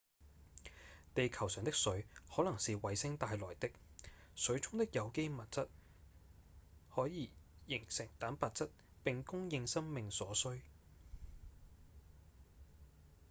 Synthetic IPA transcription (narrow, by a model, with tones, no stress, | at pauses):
t̪e˨jkʰɐ˨˩wsœː˨ŋt̪ɪ˥ksɵ˨˥ɥhɔː˨˥lɐ˨˩ŋsiː˨wɐ˨˧jsɪ˥ŋt̪aː˧jlɔ̰ː˨˩jt̪ɪ˥k̚sɵ˨˥ɥt͡sʰʊ˥ŋt̪ɪ˥k̚jɐ˨˧wke˥jmɐ˨t̚t͡sɐ˥t̚ | hɔː˨˥jiː˨˧jɪ˨˩ŋsɪ˨˩ŋt̪aː˨˥npaː˨t̚t͡sɐ˥t̚ | pɪ˨ŋkʊ˥ŋjɪ˧ŋsɐ˥ŋmɪ˨ŋsɔː˨˥sɵ˥ɥ